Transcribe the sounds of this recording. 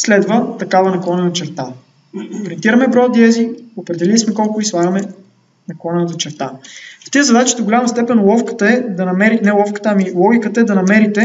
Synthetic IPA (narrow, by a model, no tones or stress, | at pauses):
slɛd̪vət̪ɐkavənɐklˠɔnɛnət͡ʃɛɾt̪a | pɾint̪iɾəmɛbɾɔd̪ʲɛziopɾɛd̪ɛlilismɛkɔlˠkʊislˠaɡɐmɛ | nɐklˠɔnɛnət̪̬ət͡ʃɛɾt̪aft̪iəzɐd̪at͡ʃi̥d̪oɡʊlʲamɐst̪ɛpɛnolˠɔfkə̥t̪əɛd̪ɐnɐmɛɾinɛlˠɔfkə̥t̪əːmilˠɔɡʲikət̪əɛd̪ɐnɐmɛɾit̪ɛ